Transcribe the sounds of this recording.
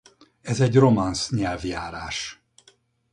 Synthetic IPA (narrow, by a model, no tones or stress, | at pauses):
ɛzɛɟro̞mansɲɛlvjaːɾaːʃ